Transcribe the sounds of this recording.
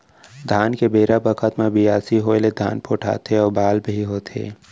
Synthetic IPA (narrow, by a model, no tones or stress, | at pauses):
d̪ʱaːnkebeːɾabəkʰət̪mẽbʱiaːsiɦoled̪ʱa̰ːnpoːʈʰa̰ːt̪eɔːɾbaːlbiɦoːt̪ʰḛː